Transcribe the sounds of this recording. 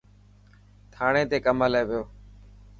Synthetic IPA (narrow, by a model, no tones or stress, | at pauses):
t̪ʰaːɽ̃ẽːt̪eːkəməlaeːʋɪjoː